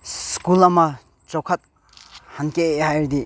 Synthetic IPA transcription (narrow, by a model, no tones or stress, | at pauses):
skulɐmɐ | t͡ʃɔwkʰɐt̪̚ | hankeeɦajɾd̪i